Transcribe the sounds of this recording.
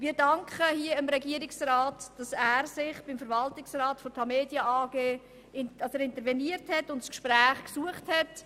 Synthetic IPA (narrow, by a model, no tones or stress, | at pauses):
mɪːɾdɑŋkʰχəhiəɪmɾɛɡiəɾɪksraːtd̥ɑsæːɾsɪχb̥ɪmfəɾvɑltɪksrɑːtfɔtʰɑmeːdjəaːɡeː | ɪnd̥ɑsæːɾɪntəɾvɛniəɾthɛtʊntskʃpɾæːχksuəχthɛt